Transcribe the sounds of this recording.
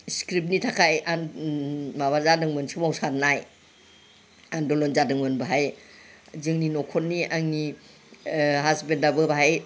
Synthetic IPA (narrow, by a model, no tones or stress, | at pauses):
skɾip̚nitʰakʰajan | maβazadɯŋmɯnsɯmawsanaj | andɔlɔnzadɯŋmɯnbaɦaj | zɯŋninɔkʰɔnːiʔaŋni | ɦasbendabɯbaɦaj